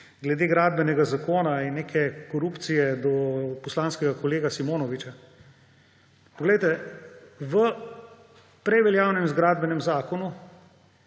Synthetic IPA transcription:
ɡlɛd̪eːɡɾaːd̪̚bɛnɛɡazakoːnainːeːkʰɛkɔɾupt̪sijɛd̪ɔpɔslaːnskɛɡakɔleːɡasimoːnɔʋit͡ʃa | pɔɡlɛjt̪ɛ | ʋə | pɾɛjʋɛljaːwnɛmzɡɾaːd̪bɛnɛmzaːkɔnu

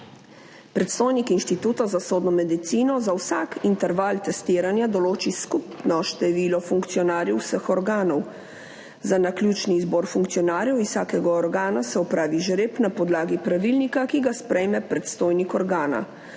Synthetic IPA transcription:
pɾɛt̪st̪oːjnikinʃt̪it̪uːt̪azasoːd̪nɔmɛd̪it̪siːnɔzawsakint̪ɛɾʋalt̪ɛst̪iːɾanjad̪ɔloːt͡ʃiskupnɔʃt̪ɛʋiːlɔfuŋkt̪sijɔnaːɾjɛwsəxɔɾɡaːnɔw | zanaklʲjuːt͡ʃniːzbɔːɾfuŋkt̪sijɔnaːɾjɛwisaːkɛɡaɔɾɡaːnasɛɔpɾaːʋiʒɾeːpnapɔd̪laːɡipɾaʋilnikakiɡaspɾɛjmɛpɾɛt̪st̪oːjnikɔɾɡaːna̰

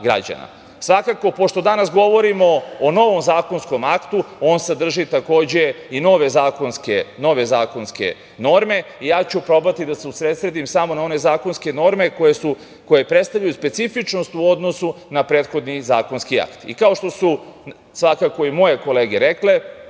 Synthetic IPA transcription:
ɡɾa̰d͡ʑa̰na̰ | sʋakako̞po̞ʃt̪o̞d̪anasɡo̞ʋo̞ɾimo̞ːno̞ʋo̞mzaːko̞nsko̞makt̪uo̞ːnsed̪r̩ʒit̪ako̞ːd͡ʑe̞ino̞ʋe̞zaːko̞nskeno̞ʋe̞zaːko̞nske̞̰ | no̞ɾme̞ijaːt͡ɕupɾo̞bat̪id̪aseusɾet̪sɾed̪imsamo̞nao̞ne̞zaːko̞nske̞no̞ɾme̞kojesu | koje̞pɾest̪aʋʎajuspet̪sifit͡ʃno̞st̪uo̞d̪no̞sunapɾe̞ːd̪xo̞d̪nizaːko̞nskia̰kt̪ḭkao̞ʃt̪o̞su | sʋakako̞imo̞je̞ko̞leːɡeɾekle̞

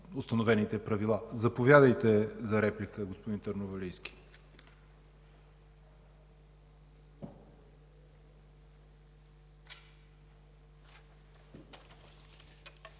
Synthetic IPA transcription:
ost̪ɐnovɛnit̪ɛpɾɐvilˠazɐpovʲjad̪əjt̪ɛzɐɾɛplikəɡospʊd̪int̪əɾnovɐlijsk̟ʲi̥

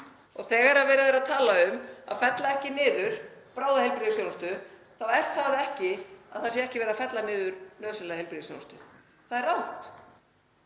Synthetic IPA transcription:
ɔɣθɛːɣaɛɾaðvɛːɾaðɛɾaðt̪ʰaːlaʏma̰ðfɛt̪laɛhcɪnɪːðʏɾ̥pɾaːwðahejlpɾiðʏsjonst̪ʏ | θawɛr̥t̪θaðɛhcɪaðθas̬jɛɛhcɪvɛːɾafɛt̪lanɪːðʏɾ̥nœːðsɪnɛðhelpɾiðso̰nst̪ʏ | θaðɛɾawht̪

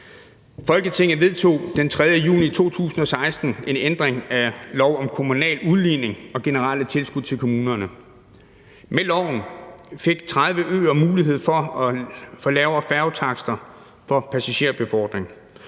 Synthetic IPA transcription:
fɒ̽lɡ̥ət͡sʰe̝ŋ̰̩ʋe̝ð̞ˠt͡sʰo̝̰ːd̥ent͡sʰʁɛð̞ˠjəjṵːnit͡sʰo̝̰ːt͡sʰṵːsn̩ɒ̽sɑ̈ɪsd̥n̩e̝nend̥ʁeŋælɒʊ̰ɒ̽mkʰo̝munɛ̰ːluðˠliːne̝ŋɒ̽ɡ̥e̝nəʁɑlət͡sʰe̝lsɡ̥uð̥ˠt͡sʰe̝lkʰo̝muːnɐnə | melɒʊ̰n̩fe̝ɡ̥̚t͡sʰʁɑ̈ð̞ˠʋəʔø̰ːɐmuːliɦe̝ð̞̰ˠfɒ̽ɒfɒ̽lɛːʊɐfæɐʊt͡sʰɑ̈ɡ̥sd̥ɐ | fɒ̽pʰæsæɕe̝̰ɐ̰b̥e̝fɒ̰ːd̥ʁeŋ

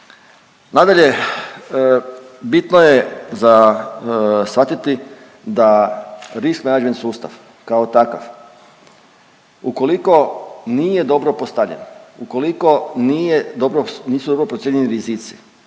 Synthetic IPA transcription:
nad̪aʎe̞ | bit̪nojeza | sʋat̪it̪i | d̪aɾiskmenad͡ʒme̞nsuːst̪a̰ʋ | kaot̪akaf | uko̞liko̞nije̞d̪o̞bɾopost̪aʋʎḛnuko̞liko̞nijed̪obɾoniːsud̪o̞bɾopɾojeɲeniɾizit̪si̥

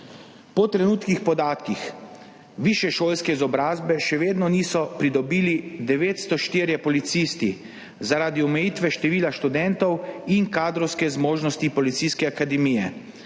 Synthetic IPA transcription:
pɔt̪ɾɛnuːt̪kixpɔd̪aːt̪kix | ʋiːʃjɛʃoːlskɛizɔbɾaːzbɛʃɛʋeːd̪nɔniːsɔpɾid̪ɔbiːlid̪ɛʋeːt̪st̪ɔʃt̪iːɾjɛpɔlit̪siːst̪i | zaɾaːd̪iɔmɛjit̪ʋɛʃt̪ɛʋiːlaʃt̪ud̪ɛnt̪ɔwinkaːd̪ɾɔwskɛzmoːʒnɔst̪ipɔlit̪siskɛakad̪ɛmiːjɛ

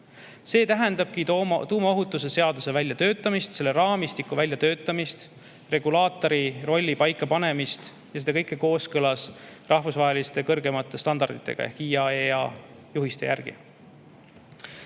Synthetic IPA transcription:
se̞ːt̪æɦɛnd̪̥ɑb̥̚kit̪uːmɑoɦut̪ːˑuse̞se̞ɑd̪̥use̞vælʲjɑt̪ø̞ːt̪ˑːɑmist̪se̞lːeɾɑːmist̪ikːuvælʲjɑt̪ø̞ːt̪ːˑɑmist̪ | re̞ɡulɑːt̪ːˑo̞ɾiro̞lʲːipɑjkːˑɑpɑne̞mist̪ | jɑsed̪ekɤjkːˑeko̞ːskɤlɑsrɑhvusvɑɦelist̪e̞kɤrɡe̞mɑt̪ːˑe̞st̪ɑnd̪ɑrd̪it̪ːˑe̞ɡ̥ɑ̰jehkiːɑeɑ | juɦist̪ejʔærɡ̥ḭ

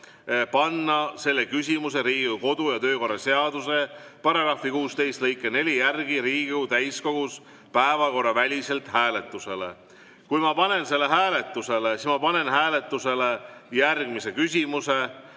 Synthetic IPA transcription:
pɑnːɑse̞lːe̞kysʲimuse̞ɾiːɡiuko̞d̪̥ujɑt̪øːko̞rːɑse̞ɑd̪̥use̞pɑɾɑɡ̥ɾɑfikuːst̪e̞jst̪lɤjkːˑene̞lʲijærɡ̥iɾiːɡiut̪æjsko̞ɡ̥us | pæevɑko̞rːɑvælʲise̞lt̪ˑhæːle̞t̪ːˑuse̞le̞̰ | kujmɑpɑne̞nse̞lːe̞ɦæːle̞t̪ːˑuse̞lesismɑpɑne̞nhæːle̞t̪ːˑuse̞lejærɡ̥mise̞kys̬ʲimuse

